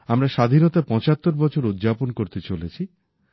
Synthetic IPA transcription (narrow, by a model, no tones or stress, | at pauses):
amɾaʃad̪ʱinot̪apɔ̃t͡ɕat̪ːoɾbɔt͡ɕʰoɾud̪d͡ʑaponkoɾt̪et͡ɕolet͡ɕʰi